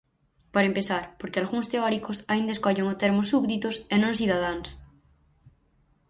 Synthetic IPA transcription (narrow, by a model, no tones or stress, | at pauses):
paɾɐempeθaɾpoɾkealɣuŋst̪eɔɾikosaind̪ɐeskɔʎeŋot̪eɾmosːuβðit̪osenõŋs̬iðað̞aŋs